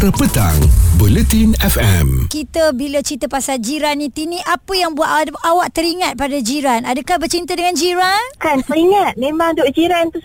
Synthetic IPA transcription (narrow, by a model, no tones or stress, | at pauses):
ɾəpət̪a̰ŋbolət̪inɛfɛ̰mkit̪əbilat͡ʃit̪əpasald͡ʒiɾanĩt̪iniʔapəjaŋbuwaʔ̪ʔawaʔ̚t̪əɾiŋat̪̚padad͡ʒiɾanadəkahbərt͡ʃint̪ədəŋand͡ʒiɾankansəɾiŋat̪̚mẽmaŋdoʔd͡ʒiɾant̪us